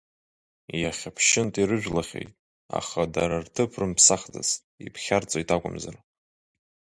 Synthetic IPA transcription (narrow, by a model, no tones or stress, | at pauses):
jaχʲapʰʃɪntʼiɾɨʒᶣlaχʲḛjtʼ | a̰χadaɾartʰɨpʰrɨmpʰsaχd͡za̰s | ipʰχʲart͡sʷʼojtʼakʷʼʊmzara